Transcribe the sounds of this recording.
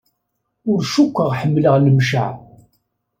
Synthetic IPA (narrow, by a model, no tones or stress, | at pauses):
ʊɾʃukʷːəʁħəmːləʁləmʃa̰ʕ